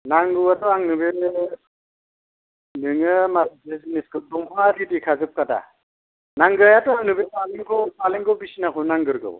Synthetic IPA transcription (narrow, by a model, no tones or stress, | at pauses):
naŋɡɯwatɔaŋnɯbe | nɯŋɯmasbeziniskʰɯtɔŋpʰɔŋadidikʰazɯp̚kada̰ | naŋɡɯɾajatɔaŋnɯbepaliŋɡɔpaliŋɡɯwbisinakʰɯnaŋɡɯɾɡɯ̰w